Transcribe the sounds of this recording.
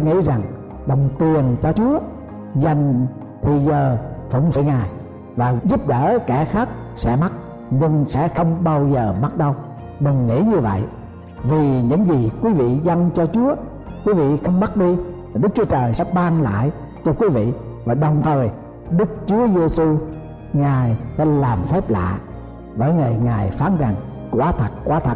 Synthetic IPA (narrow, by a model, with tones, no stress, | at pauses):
ŋḭ˧˥za˨˩ŋ | ɗə˨˩wŋ͡mt̪i˨˩ənt͡ɕɔ˧t͡ɕu˨˦ə | zə˨˩jŋ̟ | t̪ʰi˨˩zəː˨˩fə̰˧˩wŋ͡msə̰˧˨ŋaː˨˩j | vaː˨˩zu˦˥p̚ɗəː˧˩kɛ˧˩xaː˦˥k̚ | sɛ̰˧˥ma˦˥t̚ | ɲɨ˧ŋsɛ̰˧˥xə˧wŋ͡mɓaː˧wzəː˨˩ma˦˥t̚ɗə˧w | ɗɨ˨˩ŋːḭ˧˥ɲɨ˧və̰˧˨j | vi˨˩ɲɨ̰˧˥ŋzi˨˩kwi˨˦vḭ˧˨zə˧nt͡ɕɔ˧t͡ɕu˨˦ə | kwi˨˦vḭ˧˨xə˧wŋ͡mma˦˥t̚ɗi˧aː˨˩ɗɨ˦˥k̚t͡ɕu˨˦ət͡ɕəː˨˩jsɛ̰˧˥ɓaː˧ŋla̰ː˧˨j | t͡ɕɔ˧kwi˨˦vḭ˧˨ | vaː˨˩ɗə˨˩wŋ͡mt̪ʰəː˨˩j | ɗɨ˦˥k̚t͡ɕu˨˦əze˧su˧ | ŋaː˨˩jsɛ̰˧˥laː˨˩mfɛ˦˥p̚la̰ː˧˨ | vəː˧˦jŋəː˨˩jŋaː˨˩jfaː˨˦nza˨˩ŋ | kwaː˧˦t̪ʰə˨˩t̚kwaː˧˦t̪ʰə˨˩t̚